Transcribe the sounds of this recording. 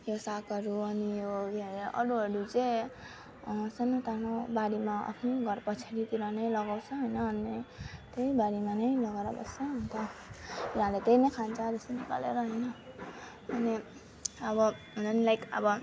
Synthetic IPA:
josakʌɾuʌnijoɡʱeɾeʔʌ̰ɾuɦʌɾut͡se | sʌnot̪anobaɽimaʔʌ̰pʰneɡʱʌɾpʌt͡sʰaɾit̪iɾʌnʌjlʌɡawt͡sʰʌɦojnʌːnit̪eibaɽimanʌjlʌɡaɾabʌ̰st͡sʰʌnt̪ʌuãlet̪ejnʌjkʰant͡sʰad̪ʌsinika̰lḛɾʌɦʌjnʌ | ʌni | ʌbʌɦnʌnilajkʌbʌ

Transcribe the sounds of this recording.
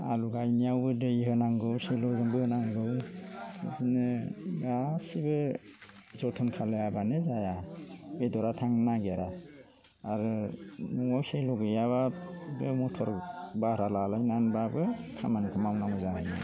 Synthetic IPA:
a̰luɡajnijawbɯdɯjhɯnaŋɡɯwselɔzɯŋbɯhɯnaŋɡɯw | a̰tinɯɡasibɯ | zɔtʰɔnkʰaleabanɯzajabedɔɾatʰaŋnaɡaɾaː | ɾɯnɔŋawselɔɡɯjababɯmɔtʰɔɾbahɾalalajnanbabɯkʰamankʰɯmamnaŋɔzahajnɯ̰

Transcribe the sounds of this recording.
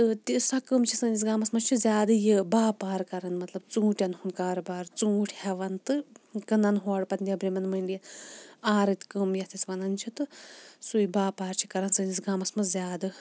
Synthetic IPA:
t̪ɨt̪ʲisɐkɨmt͡ʃʰisɨnis̬ɡaːmɐsmɐt͡ʃʰizʲaːd̪ɨjibaːpaːɾkɐɾɐnmɐt̪lɐbt͡sũːʈʲjɐnhunkaːɾbaːɾt͡suːʈʰʲhɛʋɐnt̪ɨkɨnɐnɦoːɽpɐt̪nʲd̪ʲjɐbɾʲimɐnmɐɳɖijɐnaːɾɨt̪ʲkɨmjɐt̪isʲʋɐnɐnt͡ʃʰit̪ɨsujibaːpaːɾt͡ʃʰi̥kɐɾɐnsɨnʲisɡaːmɐsmɐt͡szʲjaːd̪ɨ

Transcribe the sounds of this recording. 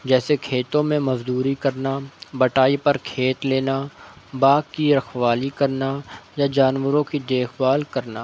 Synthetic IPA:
d͡ʒɛːsekʰeːt̪õmẽmɐzd̪uːɾikɐɾnabɐʈaːipɐɾkʰeːt̪leːnabaːɡkiɾəxʋaːlikɐɾnajad͡ʒaːnwəɾõkid̪eːxbaːlkɐɾna̰ː

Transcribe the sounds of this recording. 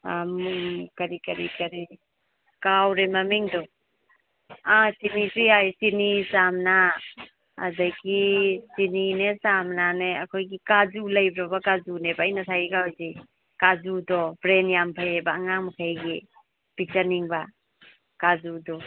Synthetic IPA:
amukɐɾikɐɾikaɾi | kawɾemamiŋdɔ | asinisujajsinisamna̰ː | daɡisininesamnaneɐkʰojɡikazulajbɾɔbakazunebaːjnasʰajikawjzi | kazudɔbɾenjampʰajebaːŋaŋmakʰajɡi | pit͡ʃaniŋba | kazudɔ

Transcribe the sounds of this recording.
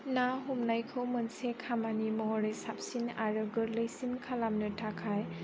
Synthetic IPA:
naɦumnajkʰɯwmɯnsekʰamanimɔɔɾesap̚sinaɾɯɡɯɾlɯjsinkʰalamnɯtʰakʰaj

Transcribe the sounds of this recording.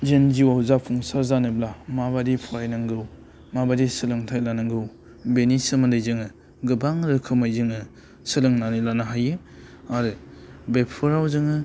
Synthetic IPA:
d͡ʒend͡ʒiwahuzapʰuŋsaɾzanɯblamaβadipʰɔɾajnɯŋɡɯw | mabadisɯlɯŋtʰajlanɯŋɡɯw | benisɯmandɯjzɯŋɯ | ɡɯbaŋɾɯkʰɯmajzɯŋɯ | sɯlɯŋnanilanɯɦajɯ | aɾɯbepʰɯɾawzɯŋɯ

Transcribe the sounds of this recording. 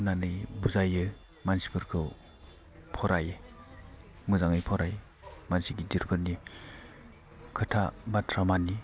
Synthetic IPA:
nanɯjbuzajɯ | mansi̥pʰɯɾkʰɯw | pʰɔɾaj | mɯzaŋɯjpʰɔɾaj | mansiɡidiɾbɯnːi | kʰɯtʰabatʰɾamani

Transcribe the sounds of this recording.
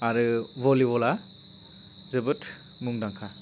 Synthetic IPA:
aɾɯvɔlibɔla | zɯbɯtʰ | muŋdaŋkʰa

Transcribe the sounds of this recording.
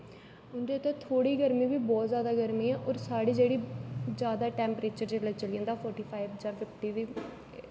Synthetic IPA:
ʊnd̪eːət̪eːt̪ʰoːɽiːɡəɾmĩːʋiːbɔːt̪zjaːd̪aːɡəɾmĩːɛ̃ːʔɔːɾsaːɽiːd͡ʒeːɽiːd͡ʒjaːd̪aːʈɛ̃ːmpɾeːt͡ʃəɾd͡ʒeːlat͡ʃəliə̃nd̪aːpʰɔːɾʈiːpʰaːibd͡ʒãːpʰɪpʰʈiːd̪iː

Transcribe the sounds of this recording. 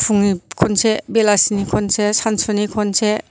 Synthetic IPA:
pʰuŋikʰɔnsebelasinikʰɔnsesansɔnikʰɔnse

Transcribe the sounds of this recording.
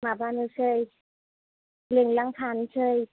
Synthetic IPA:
mabanɯsʰəj | liŋlaŋt̪ʰansʰəj

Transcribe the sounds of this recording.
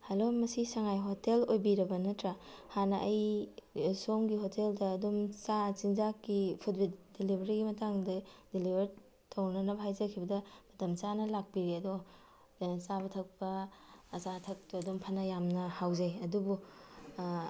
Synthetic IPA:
hɐlomɐsisɐŋajɦotelojbiɾɐbɐnɐtɾahanɐʔɐj | somɡihotʰeldɐːdomt͡ʃat͡ʃinzakipʰutbitdelibʱɐɾiɡimɐtaŋdɐd̥elibʱɐɾ | tʰɐwnɐnɐbɐɦajzɐkʰibɐdɐmɐtɐmt͡ʃanɐlak̚piɾeɐdo | ant͡ʃabɐtʰɐk̚pɐːzatʰɐk̚tuɐdompʰɐnɐjamnɐhawzɐjɐdubu

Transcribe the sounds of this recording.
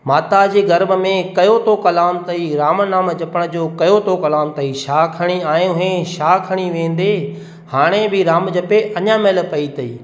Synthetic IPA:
maːt̪ad͡ʑeːɡɐɾməmẽkɐjot̪ʰokɐlaːmt̪ɐiɾaːmənaːməd͡ʑɐpəɽ̃ə̆d͡ʑoːkɐjot̪ʰokɐlaːmt̪ɐiʃaːkʰɐɽ̃iaːjũʊɦẽʃaːkʰɐɽ̃iʋẽːn̆d̪e | haːɽ̃ebɪɾaːmd͡ʑɐpeʔɐɲãmelpɐit̪ɐḭː

